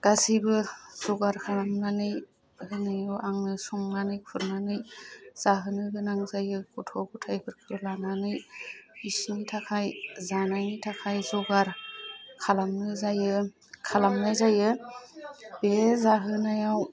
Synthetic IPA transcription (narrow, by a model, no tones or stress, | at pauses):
ɡ̥asibɯz̥ɔɡaɾkʰalamnanɯj | hɯnajawʔaŋnɯsɔŋnanɯjkʰɯɾnanɯjz̥aɦɯnɯɦɯnaŋzajɯkɔtʰɔɡutʰajpʰɯɾkʰɯlananɯjisnitʰakʰajzanajnitʰakʰajzɔɡaɾkʰalamnɯzajɯ | kʰalamnajzajɯ | bezaɦɯnajaw